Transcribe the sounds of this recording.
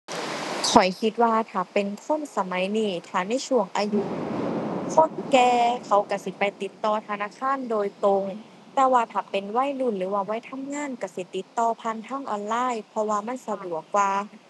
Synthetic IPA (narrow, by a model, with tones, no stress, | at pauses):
kʰɔ˨˩jkʰi˧˦t̪̚waː˧t̪ʰaː˨˩pe˨nkʰo˧˥˨nsa˧ma˨˦jniː˧˩t̪ʰaː˨˩na˧˥˩jt͡ɕʰu˧˩əŋʔaː˧ju˧˥ | kʰo˧˥˨nkɛː˧kʰa˨˦wka˧˩si˧˦pa˧jt̪i˧˦t̪ːɔː˧t̪ʰa˧naː˧˥˨kʰaː˧˥˨ndoː˧jt̪o˧ŋ | t̪ɛː˧˩waː˧t̪ʰaː˨˩pe˨nwa˧˥˨jlu˧˩nlɯː˨˦waː˧˩wa˧˥˨jt̪ʰa˧˥˨mŋaː˧˥˨nka˧˩si˧˦t̪i˧˦t̪ːɔː˧pʰa˧˥˨nt̪ʰaː˧˥˨ŋʔɔː˧nlaː˧˥˨jpʰɔ˧waː˧ma˧˥˨nsa˧du˨˩ək̚waː˧